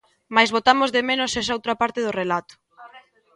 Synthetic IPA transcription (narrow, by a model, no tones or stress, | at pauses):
majzβot̪amʊzðemenosɛs̬aowt̪ɾapaɾt̪eðʊrelat̪ʊ̥